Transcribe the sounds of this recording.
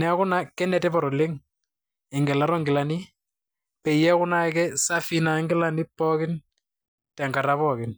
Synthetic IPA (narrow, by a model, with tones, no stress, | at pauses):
nɛ˨kʊ˦na˦kːɛ˦nɛ˨tɛ˦pɔ˨ɾɔ˨lɪ˦ŋ | ɪ˨ŋɡɛ˨la˨ɾɔ˦ŋɡɪ˨la˨ni˦ | pɛ˨jɛ˦kʊ˦na˦kɛ˦sa˦fina˨ŋɡɪ˦la˦nɪ˦pːɔkɪ˦n | tɛ˨ŋɡa˨ɾa˦pɔkɪ˨n